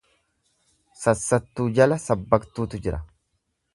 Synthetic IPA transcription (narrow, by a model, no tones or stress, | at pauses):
sɐsːɐt̪ːuːd͡ʒɐlɐsɐbːɐkt̪uːt̪ʊd͡ʒɪɾɐ